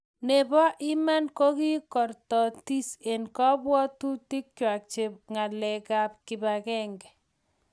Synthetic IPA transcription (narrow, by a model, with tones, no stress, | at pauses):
ne˨bɔ˦ʔɪ˦ma˦nko˦ki˦kɔ˨rtɔ˨ti˦se˨nkɔ˦bwɔ˦tu˦ti˦k̚t͡ʃwa˨k̚t͡ʃe˦ŋa˨lɛ˨ka˦p̚kɪ˨ba˨kɛ˦ŋɡɛ˨